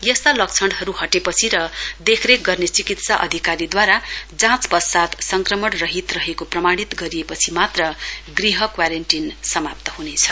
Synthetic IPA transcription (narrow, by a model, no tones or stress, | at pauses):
jʌst̪alʌk̚t͡sʰʌɳɖɦʌɾuɦʌʈepʌt͡sʰiɾʌd̪ekʰɾek̚ɡʌrnet͡sikit̪saʔʌ̰d̪ʱikaɾid̪waɾad͡zãt͡spʌsat̪sʌŋkrʌmʌɽrʌɦit̪rʌɦekoprʌmaɽ̃it̪ɡʌɾijepʌt͡sʰimat̪rʌɡriɦʌkwaɾenʈinsʌmap̚t̪ʌɦunet͡sʰʌ̥